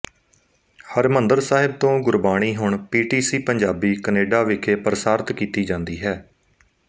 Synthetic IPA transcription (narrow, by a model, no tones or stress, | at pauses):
həɾmənd̪əɾsaːɦɪb̚t̪õːɡʊɾbaːɽ̃iːɦʊɳpiːʈiːsiːpəɲd͡ʒaːbiːkəneːɖaːʋɪkʰeːpəɾsaːɾt̪kiːt̪iːd͡ʒãːnd̪iːɦɛː